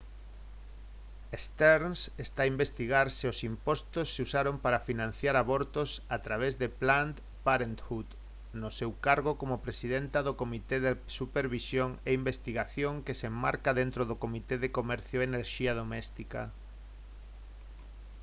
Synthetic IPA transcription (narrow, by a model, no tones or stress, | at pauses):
est̪ɛɾnsest̪aimbest̪iɣaɾsɪosimpɔst̪osːɪusaɾompaɾafinãn̟θjaɾaβɔɾt̪osat̪ɾaβ̞ezðeplant̪ | paɾent̪xuð | nosewkaɾɣokomopɾesiðent̪aðokomit̪eðesupeɾβisjoŋeimbest̪iɣaθjoŋkesemmaɾkaðent̪ɾoðokomit̪eðekomɛɾθjoeneɾʃiɐð̞omɛst̪ika̰